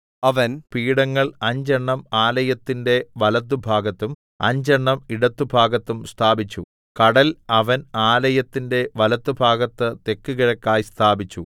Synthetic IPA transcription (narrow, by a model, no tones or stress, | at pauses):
ɐʋɐnpiːɽɐŋːɐɭɐɲd͡ʑɐɳːɐmaːlɐjɐt̪ːinde̞ʋɐlɐt̪̬ːubʱaːɡɐt̪ːum | ɐ̰ɲd͡ʑɐɳːɐmiɽɐt̪ːubʱaːɡɐt̪ːumst̪ʰaːbit͡ɕːu | kɐɽɐlɐʋɐnaːlɐjɐt̪ːinde̞ʋɐlɐt̪ːubʱaːɡɐt̪ːɨt̪e̞kːuɣɐɻɐkːaːjst̪ʰaːbit͡ɕːu